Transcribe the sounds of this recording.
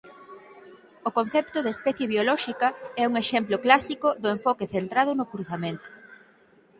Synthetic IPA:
okon̟θɛpt̪ʊðespɛθjeβjolɔʃikɐɛuŋeʃɛmploklasikoðʊeɱfɔkeθent̪ɾað̞ʊnʊkɾuθamẽnt̪ʊ̥

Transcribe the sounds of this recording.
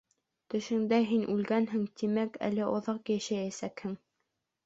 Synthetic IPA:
t̪ɵ̆ʃɘ̆ŋd̪æɦinʔʉlɡænɦɘŋt̪imækæ̰lɘʔŏðɑqjæʃæjæsækhɘŋ

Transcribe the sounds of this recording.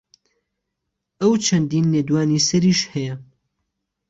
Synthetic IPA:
ʔɐwt͡ʃʰɐnd̪iːnːeːd̪waːniːsɐɾiːʃhɛjɐ

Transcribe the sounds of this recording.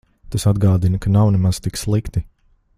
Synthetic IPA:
t̪asad̪ɡaːd̪inəkanawnɛmaz̥t̪ikslˠikt̪i

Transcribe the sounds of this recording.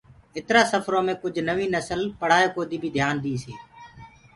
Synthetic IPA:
ɪt̪ɾaːsəfʰɾõːmẽːkʊd͡ʒʱnəʋiːnəsəlpəɽ̤aːeːkoːd̪iːbʱiːd̪ʱjaːnd̪iːsiː

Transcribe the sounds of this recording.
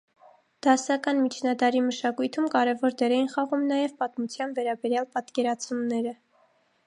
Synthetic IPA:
d̪̥ɑsɑkɑnmit͡ʃʰnɑd̪ɑɾiməʃɑkujt̪ʰumkɑɾɛvɔɾd̪ɛɾɛjinχɑʁumnɑjɛvpɑt̪mut͡sʰjɑnvɛɾɑbɛɾjɑlpɑt̪kɛɾɑt͡sʰumnɛɾə

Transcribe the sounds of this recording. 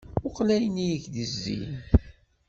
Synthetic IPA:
ʊqlæjnijəçðəzːḭn

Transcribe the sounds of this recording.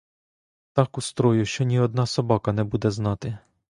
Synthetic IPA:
t̪ɑkust̪ɾɔjʊʃt͡ʃɔnʲiɔd̪̚nɑsɔbɑkɐnɛbud̪ɛznɑt̪ɪ

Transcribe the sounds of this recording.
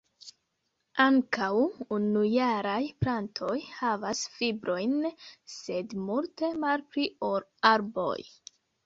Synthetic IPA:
aŋkʰawunujaɾajpɾantʰo̞jhavasfibɾʔo̞jnse̞dmulte̞malpɾioɾaɾbo̞̰j

